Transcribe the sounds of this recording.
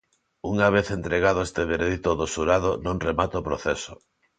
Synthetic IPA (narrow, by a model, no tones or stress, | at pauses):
uŋaβ̞eθent̪ɾeɣ̞aðoest̪eβeɾeðit̪oðosuɾaðonõŋremat̪opɾo̰θeso̥